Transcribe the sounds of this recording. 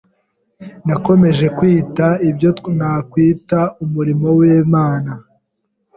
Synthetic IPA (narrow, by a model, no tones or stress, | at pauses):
nako̞me̞ʒe̞kwiːtaibjonaːkwiːtaumuɾimo̞weːmaːna